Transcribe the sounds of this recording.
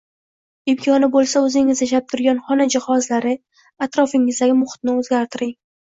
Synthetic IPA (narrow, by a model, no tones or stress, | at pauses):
ɪmkʲʰɒnɪbolˠsaɵzɪŋɪzjaʃ̬ap̚t̪ʰʊɾɡʲanχɒnad͡ʒɪhɒzlaɾɪ | at̪ɾɒfɪŋɪzd̪aɡʲɪmʊχɪ̥t̪̚nɪɵzɡʲaɾt̪ʰɪɾɪŋ